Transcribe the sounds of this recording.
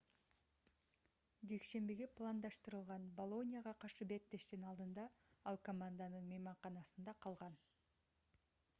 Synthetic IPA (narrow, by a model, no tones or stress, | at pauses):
d͡ʒe̞kʃe̞mbiɡeplˠand̪ɑʃt̪ɯɾɯlˠʁɑnbolˠo̞nʲijaʁɑqʰɑɾʃɯbet̪ːe̞ʃt̪inɑlˠd̪ɯnd̪ɑɑlˠko̞mand̪anɯnmejmɑɴqɑnɑsɯnd̪ɑqʰɑlˠʁɑn